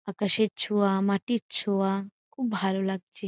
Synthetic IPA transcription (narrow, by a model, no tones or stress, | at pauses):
akəʃet̚t͡ʃʰuamaʈitt͡ʃʰuakʰuːbbʱalolaɡ̚t͡ʃʰe